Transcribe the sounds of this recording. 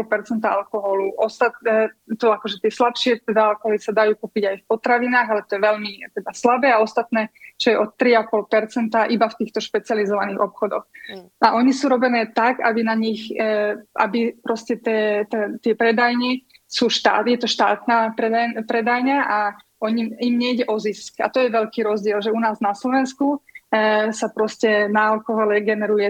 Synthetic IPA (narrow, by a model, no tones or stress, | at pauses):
ɔlpɛɾt͡sɛnt̪aalkɔɦɔluʔɔst̪at̪̚ɛt̪ɔakɔʒɛt̪ɪɛslapʃɪɛt̪ɛd̪aalkɔɦɔlisad̪ajuːkupiɟajfpɔt̪ɾaʋinaːɣalɛt̪ɔjɛʋɛʎmit̪ɛd̪aslabɛːaɔst̪at̪nɛːt͡ʃɔjɛʔɔt̪ːɾiapɔlpɛɾt͡sɛnt̪aʔibaft̪iːxt̪ɔʃpɛt͡sɪalizɔʋaniːɣɔpxɔd̪ɔxʔaʔɔɲisuːɾɔbɛnɛːt̪aɡabinaɲix | ʔa̰bipɾɔscɛt̪ɛːt̪ɛt̪ɪɛpɾɛd̪ajɲi | suːʃt̪a̰ːjɛt̪ɔʃt̪aːt̪naːpɾɛd̪apɾɛd̪ajɲaʔa | ɔɲimimɲɛjɟɛʔɔziska̰t̪ɔjɛʋɛʎkiːɾɔzɟɪɛlʒɛunaːznaslɔʋɛnsku | sapɾɔscɛnalkɔɦalɛɡɛnɛɾujɛ